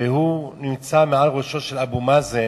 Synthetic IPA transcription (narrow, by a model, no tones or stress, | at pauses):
eɦunimt͡sameʕalʁoʃo̞ʃelabumaze